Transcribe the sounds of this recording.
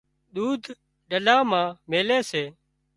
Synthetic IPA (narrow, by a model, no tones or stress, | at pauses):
ɗ̪uːd̪ʱ | ɗəlaːmãːmeːleːseː